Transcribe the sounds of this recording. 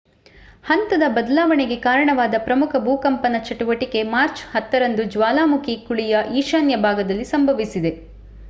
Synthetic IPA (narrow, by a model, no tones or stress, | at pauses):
hɐnt̪ɐd̪ɐbɐd̪ɐlaːʋɐɳeɡe̞kaːɾɐɳɐʋaːd̪ɐpɾɐmukʰɐbʱuːkɐmpɐnɐt͡ʃɐʈuʋɐʈike̞maːɾt͡ʃhɐt̪ːɐɾɐnd̪ud͡ʒʋaːlaːmukʰikuɭijɐʔiːʃaːnjɐbʱaːɡɐd̪ɐlːisɐmbʱɐʋisid̪e̞